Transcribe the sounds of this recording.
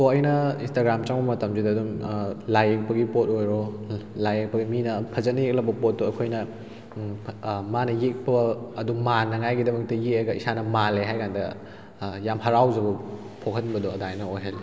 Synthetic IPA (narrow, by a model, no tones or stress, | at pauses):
toɐjnɐinstaɡɾamt͡ʃaŋbɐmɐtɐmzidɐːdumlajek̚pɐɡipot̚ojɾolajek̚pɐɡiminɐpʰɐzɐtnɐjek̚lɐbɐpot̚ːuɐkʰojnɐ | manɐjek̚pɐɐdumanːɐŋajɡidɐmɐk̚tɐjek̚eɡɐisanɐmaleɦajkandɐ | jamɦɐɾawzɐbɐ | pʰokʰɐnbɐdɔɐdaenɐojɦɐli